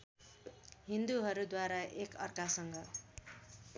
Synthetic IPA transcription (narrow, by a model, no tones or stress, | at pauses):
ɦind̪uɦʌɾud̪waɾaʔekʌrkasʌŋɡʌ